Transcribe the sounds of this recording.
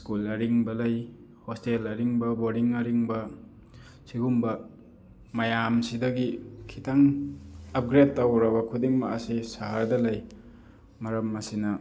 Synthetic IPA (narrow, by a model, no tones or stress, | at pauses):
skulɐɾiŋbɐlaj | hostelɐɾiŋbɐboɾiŋɐɾiŋbɐ | siɡumbɐ | majamsidɐɡikʰitaŋ | ɐp̚ɡɾed̚tːawɾɐbɐkʰudiŋmaːsisaɦaɾdɐlaj | mɐɾɐmːɐsinɐ